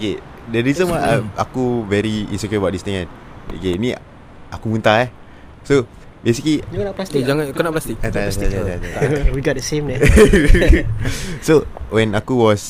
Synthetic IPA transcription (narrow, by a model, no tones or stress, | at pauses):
oke | dəɾizə̃nwaama̰kuvɛɾiḭ̃nsoketbaʔ̚dist̪ĩŋãn | o̰kenĩ | ʔakumũnt̪aɛ | so | besiklinlasd͡ʒaŋãnakunaʔplast̪ik̚at̪aataaat̪awiɡɔt̚dəsẽmdɛ | sowɛ̃nakuwɔs